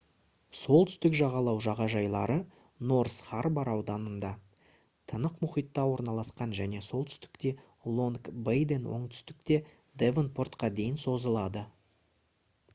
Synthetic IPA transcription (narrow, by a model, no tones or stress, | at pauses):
so̞lˠt̪ʰʏ̥st̪ɪkʒɑʁɑlˠɑwʒɑʁɑʒɑjlˠɑɾə | no̞rsχarbɑɾɑwd̪ɑnənd̪ɑ | t̪ʰənəqmʊχijt̪ːɑwo̞ɾnɑlˠɑsqɑnʒæne̞so̞lˠt̪ʰʏ̥st̪ɪ̥kt̪e̞ | lˠo̞nkbajd̪e̞nwo̞̰ɴt̪ʰʏ̥st̪ɪk̚t̪e̞ | d̪evənpʰo̞rt̪qɑd̪e̞jɪnso̞zəlˠɑd̪ə